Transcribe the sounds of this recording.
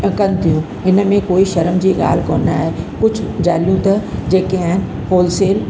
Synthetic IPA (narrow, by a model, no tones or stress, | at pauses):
kɐnɪ̆t̪ʰijũ | ɦɪnə̆mẽkoːiʃɐɾəmd͡ʑiːɠa̰ːl̤koːna̰ːɦekʊd͡ʑʱʊd͡ʑaːljũt̪ɐd͡ʑeːkeaːɪnɪ̆ | poːlseːl